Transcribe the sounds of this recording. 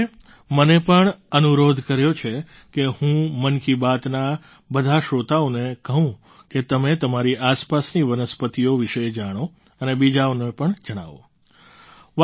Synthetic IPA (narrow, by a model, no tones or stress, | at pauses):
mənepəɳənuɾod̪ʱkəɾjot͡ʃʰe | kehũmənkibat̪na | bəd̪ʱaʃot̪aonekəɦũ | ket̪əmet̪əmaɾiʔaspasniʋənəspət̪ioʋiʃəjd͡ʒaɽ̃o | ənebid͡ʒaonepəɳd͡ʒəɽ̃a̰ʋo̰ | ʋ